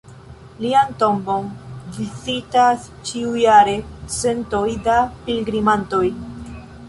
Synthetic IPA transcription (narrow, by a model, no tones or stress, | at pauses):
lianto̞mbo̞nvizitas | t͡ʃiujaɾe̞se̞nto̞jdapilɡɾimanto̞j